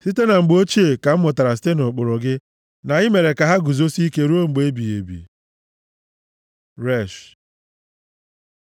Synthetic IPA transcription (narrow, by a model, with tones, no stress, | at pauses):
si˦te˦na˨ŋ͡m̩˨ɡ͡bo˦t͡ʃi˦e˨ka˨m̩˦mʊ˨ta˨ɾa˨s̬te˦no˨k͡pʊ˨ɾɔ˨ɡɪ˦ | na˨ɪ˦me˨ɾe˨ka˨ɦa˦ɡu˨zo˦si˦ke˦ɾu˦o˦˨ŋ͡m̩˨ɡ͡be˦bi˨ḛ˨bḭ˨ | ɾe˦˨ʃ